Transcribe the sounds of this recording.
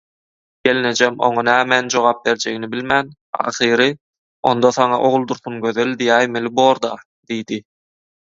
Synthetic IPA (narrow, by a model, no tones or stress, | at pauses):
ɡ̥e̞line̞d͡ʒemo̞̰ŋɑnæːmænd͡ʒo̞ʁɑːp̚be̞ɾd͡ʒe̞ɡinibilʲmæn | ɑ̰ːχɯːɾɯ | o̞̰nd̪oθɑŋɑʔo̞ʁulˠd̪uɾθunɡø̞ðølʲd̪ijæːjmelʲiboːɾd̪ɑ | d̪̥ijd̪i